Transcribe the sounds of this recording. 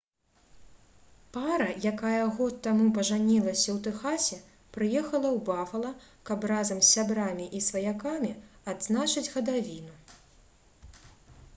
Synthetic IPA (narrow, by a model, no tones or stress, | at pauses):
paɾɐjakajɐɣɔt̪ːamupɐʐanʲilˠɐsʲɐwt̪ɛxasʲɛ | pɾɨjɛxɐlˠɐwbafɐlˠɐkɐprazɐmsʲːabɾamʲiʔisvɐjakamʲiad̪znat͡ʂɨd͡zʲɣɐd̪avʲinu